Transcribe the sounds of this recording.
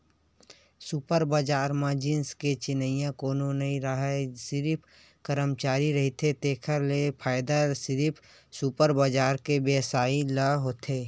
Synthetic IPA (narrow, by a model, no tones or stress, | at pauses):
supəɾbəd͡ʒaːɾmãd͡ʒɪnsket͡ʃɪnəijãkoːnonɐɦĩɾəɦasɪɾipʰ | kəɾəmt͡ʃaːɾiɾɐɦit̪et̪eːkʰəɾlepʰaːɪd̪asɪɾipʰ | supəɾbad͡ʒaːɾkebeːsaːiləɦoːt̪eː